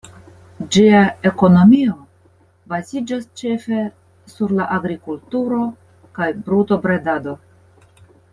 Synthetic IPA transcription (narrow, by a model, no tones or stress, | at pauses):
d͡ʒiae̞ko̞no̞mio̞ | bazid͡ʒast͡ʃe̞fe̞ | suɾlaʔaɡɾikultuɾo̞ | kajbɾuto̞bɾedado̞